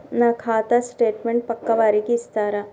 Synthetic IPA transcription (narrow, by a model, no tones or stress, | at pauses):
nakʰaːt̪asʈeːʈmẽɳʈ̚pɐkːɐʋaːɾikist̪aːɾa